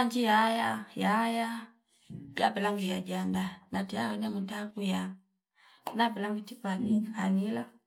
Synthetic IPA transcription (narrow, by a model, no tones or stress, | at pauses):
and͡ʒijajajaja | ja̰bɛlaŋɡujad͡ʒandanatijawɛnɛmuntaɡuja | nabɛlaŋɡitipalikanila